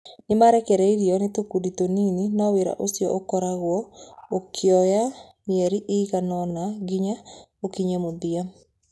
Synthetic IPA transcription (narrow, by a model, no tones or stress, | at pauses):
nɪmaɾɛkɛɾɛiɾjɔnɪt̪okudit̪onininɔweɾa̰ʔosjɔ̰ʔokɔɾaɣwɔokʰjɔja | miɛɾiʔɪɣanɔnaɡɪɲa | okiɲemobia